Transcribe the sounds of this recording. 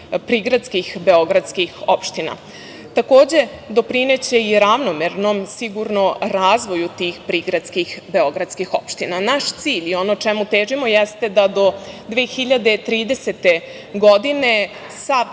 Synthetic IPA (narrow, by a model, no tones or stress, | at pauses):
pɾiɡɾat̪skixbeo̞ɡɾad̪skixo̞pʃt̪ina̰ | t̪ako̞ːd͡ʑe̞d̪o̞pɾine̞t͡ɕe̞iɾaʋnomeɾnomsiɡuɾno̞ɾaːzʋo̞jut̪iːxpɾiɡɾad̪skixbe̞o̞ɡɾad̪skixo̞pʃt̪inanaʃt̪siːʎio̞no̞t͡ʃɛmut̪eːʒimojest̪e̞d̪ad̪o̞d̪ʋeːxiʎad̪et̪ɾiːd̪e̞set̪e̞ | ɡo̞d̪ine̞ | sa